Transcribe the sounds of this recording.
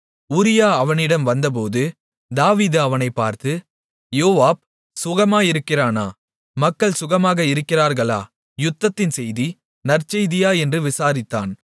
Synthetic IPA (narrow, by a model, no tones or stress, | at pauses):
ʊɾɪjaːɐʋɐnɪɽɐmʋɐnd̪ɐp̬oːðɯ | d̪aːʋiːðɯɐʋɐnɐɪpːaːɾt̪ɯ | joːʋaːb̚ | sʊɣɐmaːjɪɾɯkːɪraːnaː | mɐkːɐɭsʊɣɐmaːɣɐɪɾɯkːɪraːɾɣɐɭa̰ː | jʊt̪ːɐt̪ːɪnsɛjði | nɐɾt͡ʃɐjðɪjaːɛndrɯʋɪsaːɾɪt̪ːaːn